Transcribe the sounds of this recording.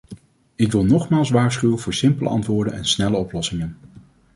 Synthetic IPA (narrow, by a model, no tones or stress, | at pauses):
ɪkʋɪlˠnɔχmaːlˠsʋaːɹsχywənvʊːɹsɪmpəlʔə̰ɑ̰ntʋʊːɹdənɛ̰nsnɛləɔplɔsɪŋən